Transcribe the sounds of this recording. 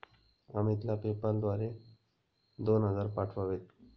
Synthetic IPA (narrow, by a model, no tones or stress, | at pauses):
ə̰mit̪lapepəld̪ʋaɾe | d̪onɦəd͡zaɾpaʈʰʋaʋet̪̚